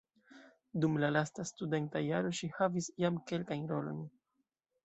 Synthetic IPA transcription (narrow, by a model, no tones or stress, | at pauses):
dumlalastastude̞ntajaɾo̞ʃihavisjamke̞lkajnɾo̞lo̞̰n